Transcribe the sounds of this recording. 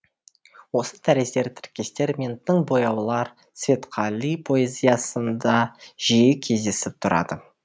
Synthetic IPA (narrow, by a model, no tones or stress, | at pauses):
wo̞sət̪ʰæɾest̪eɾt̪ʰɪ̥ɾkʲːe̞st̪e̞ɾmʲint̪ʰːɪɴbo̞jɑwlˠɑɾ | svʲe̞t̪qʰɑlˠipʰo̞ezʲijɑsənd̪ɑʒ̥ijɪkʲʰe̞zd̪e̞sɪp̚t̪ʰʊɾɑ̰d̪ə